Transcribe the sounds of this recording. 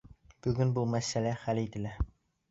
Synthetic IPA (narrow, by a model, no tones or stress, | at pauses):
b̥ɵɡɵnbumæsælæχælit̪ɘ̆læ